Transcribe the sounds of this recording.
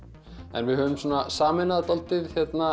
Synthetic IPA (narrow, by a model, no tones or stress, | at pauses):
ɛ̰nvɪðɦœːvʏmsɔːnasaːmɪnaðt̪ɔlt̪ɪðçjɛt̪na